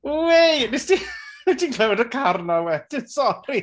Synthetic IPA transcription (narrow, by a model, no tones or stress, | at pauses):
wejmɪsd̥idikʰlˠɛwɛdəkʰarnɔwɛd̥ɪnsɔrɾi